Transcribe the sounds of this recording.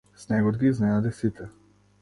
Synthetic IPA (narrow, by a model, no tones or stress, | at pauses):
snɛɡɔd̪ɡiːznɛnad̪isit̪ʰɛ